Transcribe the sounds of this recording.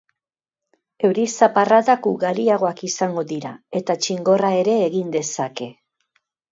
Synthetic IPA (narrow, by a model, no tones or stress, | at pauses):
e̞wɾisaparaðakuɣaɾiaɣ̞o̞akisaŋɡo̞ðiɾa̰e̞t̪at͡ʃiŋɡo̞rae̞ɾe̞ːɣind̪e̞sake̞